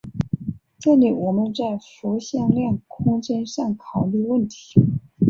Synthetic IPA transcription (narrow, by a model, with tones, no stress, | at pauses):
ʈ͡ʂɤ˥˩li˨˩wɔ˨˩mə˧˦nt͡sa˥˩ɪfɔ˧˥ɕjɑ˥˧ŋljɑ˥˩ŋkʰʊ˥ŋt͡ɕjɛ˥nʂɑ˥˩ŋkʰɑ˨˩ʊli˥˧wə˥˩nt̪ʰi̥˧˥